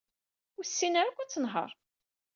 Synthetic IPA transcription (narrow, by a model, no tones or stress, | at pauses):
ʊsːinæɾækʷːæt͡sːənɦə̰ɾˤ